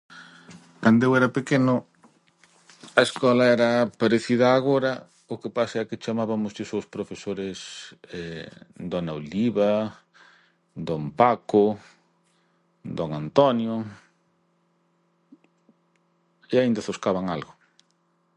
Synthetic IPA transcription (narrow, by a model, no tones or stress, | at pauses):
kand̪oewɛɾɐpekenʊ | ɐeskɔlɐɛɾɐpaɾeθiðɐːɣoɾɐ | ʊkepasɐɛkɪt͡ʃamaβɐmʊzʎʊsowspɾofesoɾɪsɛd̪onaoliβa | d̪ompakʊ | d̪oŋant̪ɔnjo | eaind̪ɐθoskaβaŋalɣʊ